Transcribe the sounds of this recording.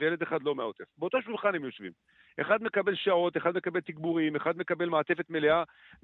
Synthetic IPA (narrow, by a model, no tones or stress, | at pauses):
ejeled̪eχad̪lo̞meaot̪efbeot̪oʃulχanemjo̞ʃvḭm | ʔeχad̪me̞kabe̞lʃao̞t̪eχad̪me̞kabe̞lt̪iɡbuʁimeχad̪me̞kabe̞lmaːt̪efet̪me̞lea